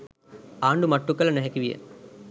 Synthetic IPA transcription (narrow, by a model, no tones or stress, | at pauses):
aːɳɖumɐʈːukːɐlɐnɛɦekiʋijḛ